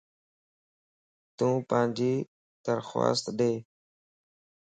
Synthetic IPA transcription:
t̪ũːpãːnd͡ʒiː | d̪̥əɾxwa̰ːst̪ɗeː

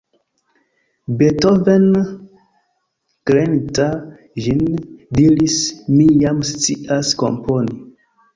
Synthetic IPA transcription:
betoven | kɾenta | ʒindiɾismijamst͡siʔasko̞̰mpʰoni

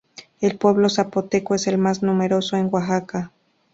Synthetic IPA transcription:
elpweβlosapot̪ekoeselmasnumeɾosoeŋɡwaɦaka

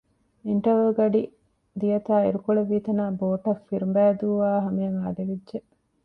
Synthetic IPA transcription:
iɳʈɐʋeːɡɐɖi | d̪ijɐt̪aːiɾukoɭɐʋiːt̪ɐnaːboːʈɐfːiɾumbæːd̪uːʋaːɦɐmeɐŋaːɖeʋidʒe

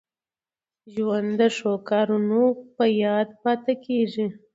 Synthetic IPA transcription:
ʒwand̪d̪əʂokɑɾunopəjɑːd̪pɑt̪akʰeʐi

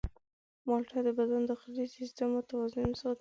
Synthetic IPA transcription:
mɑlʈʰad̪əbad̪and̪əxaɾisist̪amot̪awɑzɪmsɑ

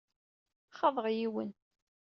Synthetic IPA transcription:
χɑðˤəʁjiwə̰n

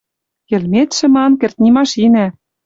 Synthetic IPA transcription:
kĕlmet̪ʃɘ̆mɑnkĕrt̪̚ʲnʲimɑʃinæ

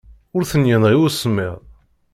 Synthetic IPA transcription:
ʊɾθənjənʁiusəmːɪ̰ʁ

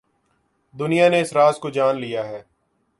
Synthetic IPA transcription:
d̪ʊnijaneɪsɾaːzkod͡ʒaːnlijaɦɛː

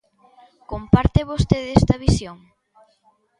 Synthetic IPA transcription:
kompaɾt̪eβost̪eðɛst̪ɐβisjoŋ

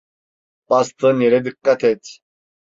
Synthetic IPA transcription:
pʼast̪ʰɨnjɛɾɛd̪ɨkːat̪ʰɛt̪

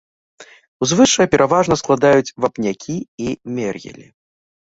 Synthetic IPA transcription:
uzvɨʂɐjɐpʲɛɾʔavaʐnɐsklˠad̪ajut͡sʲvapnʲakʲʰiimʲɛrɣʲɛ̰lʲḭ

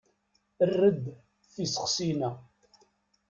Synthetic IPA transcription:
ərːəd̪ | θisə̥χsinæ

